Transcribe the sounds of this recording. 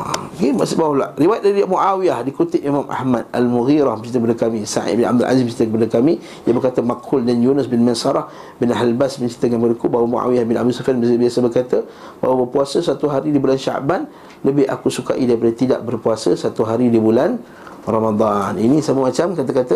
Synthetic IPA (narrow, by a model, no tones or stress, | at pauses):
kemasbawala̰ʔriwajt̪̚daɾimuʔawiahdikut̪ɪp̚imãmʔa̰hmad̪̚a̰lmuɣiɾahbət͡ʃit̪əkpadakamĩsa̰ʔt̪̚bɪna̰b̚d̪əlʔa̰zimbət͡ʃi̥t̪əkəpadakami | jʔabərkat̪əmakuldanjunəsbɪnmansaɾah | bɪnaɦlalbasməɲt͡ʃit̪əŋanmpkadəkubawamṵʔa̰wiahbɪna̰bd̪usafianbəsbiasəbərkat̪ə | bawabərpuasəsat̪uɦaɾidibulanʃa̰ʔban | ləbɪha̰kusuka̰ʔidaɾipadat̪ida̰ʔbərpuasəsat̪uɦaɾidibulan | ramad̪ˤɑninĩsamamat͡ʃamkat̪akat̪ə